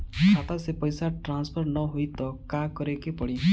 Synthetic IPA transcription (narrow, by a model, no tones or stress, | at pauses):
kʰat̪asepɔjsaʈɾanspʰɔɾnɔɦojt̪ɔkakɔɾekepɔɽi